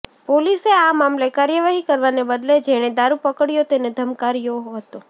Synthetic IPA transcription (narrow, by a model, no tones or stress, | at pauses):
poliseamamlekaɾjəʋaɦikəɾʋanebəd̪led͡ʒeɽ̃ed̪aɾupəkəɽjot̪ened̪ʱəmkaɾjoɦɦət̪o